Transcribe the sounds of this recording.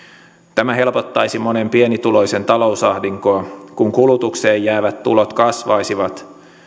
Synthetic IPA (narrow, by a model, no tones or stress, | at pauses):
t̪æmæɦe̞lpo̞t̪ːɑjsimo̞ne̞mpie̞nit̪ulo̞jse̞nt̪ɑlo̞wsɑhdiŋkoɑkuŋkulut̪ukse̞ːjːæːʋæt̪tːṵlot̪kɑsʋɑjsiʋɑt̪